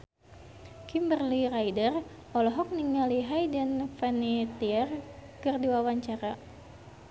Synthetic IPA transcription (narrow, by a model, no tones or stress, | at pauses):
kimbərlirajdər | ɔlɔɦɔk̚niŋaliɦajdanfɛnit̪iɛrkɨrdiwawaɲt͡ʃaɾa